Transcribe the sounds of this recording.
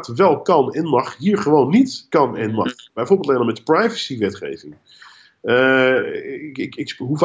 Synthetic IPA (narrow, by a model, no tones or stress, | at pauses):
tʋɛlˠkɑnɛnmɑχɦiːɹχəʋownːitkɑnɛnmɑ̰χb̥ɛjvoːɹbɪlˠtlɛnəmɛtprajvəsiʋɛtχḛjvɪŋ | ɪkɪkɦuf